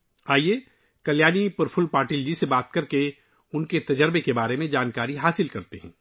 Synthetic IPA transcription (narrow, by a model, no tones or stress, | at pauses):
aːie | kɐljaːnipɐɾfʰʊlpaːɾʈiːld͡ʒisebaːt̪kɐɾke | ʊnket̪ɐd͡ʒəɾbekebaːɾemẽd͡ʒaːnkaːɾiɦaːsɪlkɐɾt̪eɦɛ̰̃ː